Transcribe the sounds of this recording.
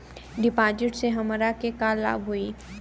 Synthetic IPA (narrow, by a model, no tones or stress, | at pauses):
ɖɪpaːd͡ʒɪʈseɦɐmɾakekaːlːa̰ːbɦuiː